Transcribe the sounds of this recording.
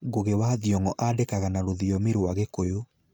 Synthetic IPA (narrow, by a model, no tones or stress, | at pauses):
ɣoɣewaðjɔŋɔʔadekaɣanaɾoðiɔmeɾwaɣekojo